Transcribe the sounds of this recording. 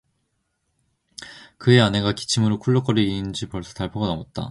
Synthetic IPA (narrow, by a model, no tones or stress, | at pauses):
kɯe̞ane̞ɡaki̥t͡ɕʰimɯɾokʰuɭːok͈ʌɾiiːnd͡ʑipʌɭs͈ʰʌ̥taɭpʰʌɡanamʌt̚t͈a̰